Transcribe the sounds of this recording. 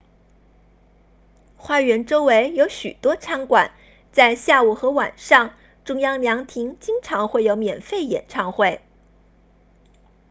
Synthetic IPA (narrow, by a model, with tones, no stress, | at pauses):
xwa˥˩ɥɛ˧˥nʈ͡ʂo˥ʊwe˧˥ɪjo˧˥ʊɕy̰˨˩t̪wɔ˥ʈ͡ʂʰa˧˥ŋkwa̰˨˩˦n | t͡sa˥˧ɪɕja˥˩u˥˩xɤ˧˥wa̰˨˩nʂɑ˥˧ŋ | ʈ͡ʂʊ˥ŋjɑ˥ŋljɑ˧˥ŋt̪ʰi˧˥ŋt͡ɕi˥ŋʈ͡ʂʰɑ˧˥ŋxwe˥˩ɪjo˧˥ʊmjɛ˨˩nfe˥˩ɪjɛ̰˨˩nʈ͡ʂʰɑ˥˧ŋxwe˥˩ɪ